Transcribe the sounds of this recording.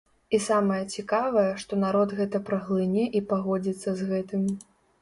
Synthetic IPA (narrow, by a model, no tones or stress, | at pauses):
isamɐjɐt͡sʲikavɐjɐʂt̪ɔnaɾɔd̪ɣɛt̪ɐpɾɐɣlˠɨnʲɛʔipaɣɔd͡zʲit̪sːɐzɣɛt̪ɨmʲi